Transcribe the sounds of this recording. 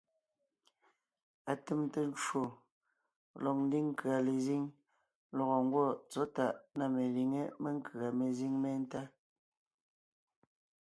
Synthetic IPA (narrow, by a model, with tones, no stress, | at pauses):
a˨te˦mte˦n˦d͡ʒo˨ | lɔ˨k̚n̩˦di˦ŋ̩˦kɰa˨le˨zi˦ŋ | lɔ˨ɣɔ˨ŋ̩˦ɡwɔ˦˨t͡sɔ˨˦ta˨ʔna˦˨me˨li˨ŋe˦me˦ŋ̩˦kɰa˨me˨zi˦ŋme˦n̩˦ta˦